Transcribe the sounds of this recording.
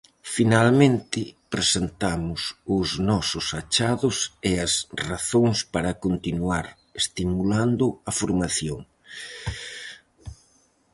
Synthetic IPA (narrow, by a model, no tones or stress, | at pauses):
finalmẽnt̪ɪpɾesent̪amʊsʊznɔsʊsat͡ʃaðʊsɪɐsraθoŋspaɾɐkont̪inuaɾ | est̪imuland̪ʊɐfoɾmaθjoŋ